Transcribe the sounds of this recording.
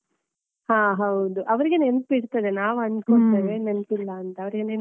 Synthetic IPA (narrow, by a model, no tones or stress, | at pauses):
hãːɦɐwd̪uʔɐʋɐɾiɡenenɐpiɽt̪ːɐd̪enaːʋuɐnkuɭt̪eːʋeːnɐnpilːɐːnt̪ɐːʋɐɾiɡenen